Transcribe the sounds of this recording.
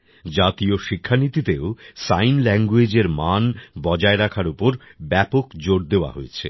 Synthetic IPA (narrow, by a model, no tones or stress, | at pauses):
d͡ʑat̪ioʃikʰːanit̪it̪eosajnlɛŋɡwed͡ʑeɾmanbɔd͡ʑaeɾakʰaɾupoɾbɛpokd͡ʑoɽd̪eoa̰ɦo̰et͡ɕʰḛ